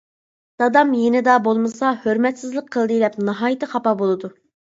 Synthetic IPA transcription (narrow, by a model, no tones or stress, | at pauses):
d̪̥ɑd̪ɑmjenɪd̪ɑbolˠmɨsɑhøɾmɛt̪sɪzlˠəqʰːəlˠd̪ɨlɛpnɑɦɑːjit̪ɨχɑpɑbolˠɨd̪u